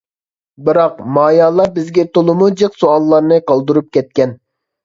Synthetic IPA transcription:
bɨɾɑqmɑːjɑːlˠɑbɪzɡʲɛt̪ʰolˠɨmud͡ʒeqsoɑlˠːɑɾnɨqɑlˠd̪uɾup̚kʲɛt̪̚kʲɛn

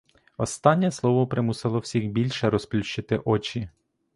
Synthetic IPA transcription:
ɔst̪ɑnʲːɛslˠɔʋɔpɾɪmusɪlˠɔwsʲixbʲilʲʃɛɾɔsplʲuʃt͡ʃɪt̪ɪʔɔt͡ʃi

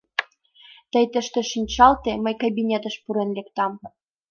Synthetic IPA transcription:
t̪əjt̪ə̆ʃt̪ĕʃinʲt͡ɕɑlt̪eməjkabʲinʲet̪ə̆ʃpuɾenlekt̪ɑm

